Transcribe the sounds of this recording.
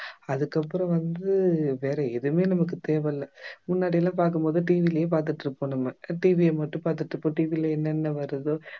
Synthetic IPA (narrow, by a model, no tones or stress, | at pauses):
ɐðɯkːɐpːɯɾɐ̃ʋɐnd̪ɯʋeːɾɛɛðɯmeːnɐmɐk̬ːɯt̪eːʋɛlːɐmʊnːaːɽɪjɐlːãːpaːɾk̬ɯmpoːðɯʈiːʋilɐjeːp̬aːɾt̪ɯʈːɾɯpːoːnɐmːɐʈiːʋɪemɐʈːɯ̃paːɾt̪ɯʈːɾɯpːoːʈiːʋilɐɛnːɛnːɐʋɐɾɐðo